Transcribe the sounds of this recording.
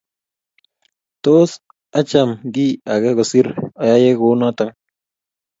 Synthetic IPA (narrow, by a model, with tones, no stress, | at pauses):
toː˦s | a˦t͡ʃa˨mɡi˦a˨kɛ˦kɔ˨si˦ɾɔ˦ja˦je˦ko˨˦nɔ˦ta˦ŋ